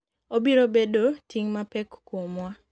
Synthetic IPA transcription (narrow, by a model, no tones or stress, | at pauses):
obiɾobedotʰiŋmapɛkːomwa